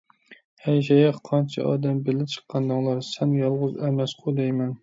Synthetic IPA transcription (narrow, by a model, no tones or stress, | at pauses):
hɛjʃ̬ɛjɑχqʰɑnt͡ʃʰɛ̰ʔɑ̰ːd̪ɛmbɪlɪp̚t͡ʃʰə̥qʰːɑnd̪ɨŋlˠɑɾsɛnjɑlˠʁʊzɛmɛsqʰod̪ɛjmɛn